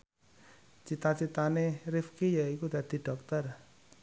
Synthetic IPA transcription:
t͡ʃit̪at͡ʃit̪anerɪfkijaikud̪̥ä̤d̪̥i̤ɖ̥ɔ̤k̚t̪ər

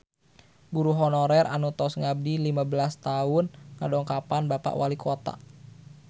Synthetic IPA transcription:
buɾuɦɔnɔɾɛɾʔa̰nut̪ɔsŋab̚dilimabəlast̪aʊnŋadɔŋkapanbapa̰ʔwalikʰot̪a̰

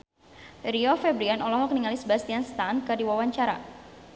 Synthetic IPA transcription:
riɔfɛbɾianʔɔlɔɦɔk̚niŋalisbast̪ianst̪ankɨrdiwawaɲt͡ʃaɾa̰

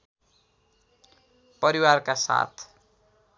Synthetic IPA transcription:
pʌɾiwarkasa̰t̪ʰ

